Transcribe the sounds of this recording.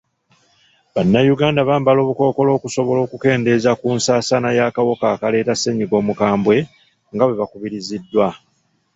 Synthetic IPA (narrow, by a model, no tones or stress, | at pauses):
βanːajuɡaːndaβaːmbalo̞ːβuko̞ːko̞lo̞ːkuso̞βo̞lo̞ːkuke̞ːnde̞ːzakuːnsaːsanajaːkawo̞kaːkale̞ːtase̞ɲiɡo̞ːmukaːmbwe̞ | ŋɡawe̞βakuβiɾizidːwa